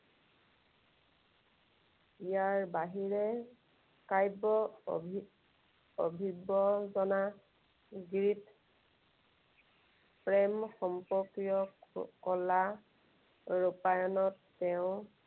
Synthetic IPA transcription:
ijaɹbaɦiɹɛ | kajbɔ | obʱibɔzɔna | ɡɹit | pɹɛmxɔmpɔkijɔkɔla | ɹupajɔnɔtːɛʊ̃

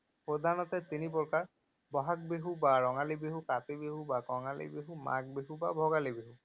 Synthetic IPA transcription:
pɾod̪ʱanɔt̪et̪inipɔɾkaɾ | bɔɦak̚beɦubaɾɔŋalibeɦukat̪ebeɦubakɔŋalḭbeɦuma̰k̚beɦubabʱɔɡalibeɦu

